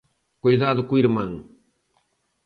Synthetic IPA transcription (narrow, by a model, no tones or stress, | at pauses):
kujðaðʊkuiɾmɐ̃ŋ